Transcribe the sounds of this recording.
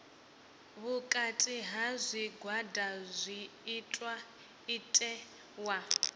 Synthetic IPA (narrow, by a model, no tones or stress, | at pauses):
βukʼatʼiɦazʷiɡwadazʷiːtʼwa | itʼɛ | wa